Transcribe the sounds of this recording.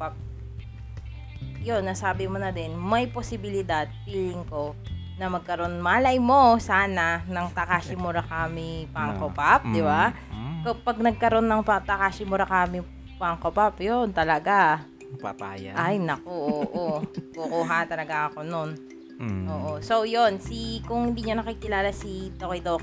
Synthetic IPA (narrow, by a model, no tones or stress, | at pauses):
pap̚ | jo̞nːɐsaːbɪmonɐd̪ɛnmɐjposɪbɪlɪd̪ad̪̚piːlɪŋko̞nɐmɐɡ̚kɐɾo̞nmaːlɐjmo̞saːnɐnɐŋt̪ɐkaːʃɪmʊɾɐkaːmɪpaŋkopap̚d̪ɪba | kɐpɐɡ̚nɐɡ̚kɐɾo̞nːɐŋpɐt̪ɐkaːʃɪmʊɾɐkaːmɪ | paŋkopapjont̪ɐlɐɡa | pa̰pajʔajnɐkoʔoʔokʊkuɦat̪ɐlɐɡaŋɐko̞non | ʔoːʔoso̞jo̞nsikʊŋhɪnd̪iːɲonɐkikɪlaːlɐsid̪okɪd̪ok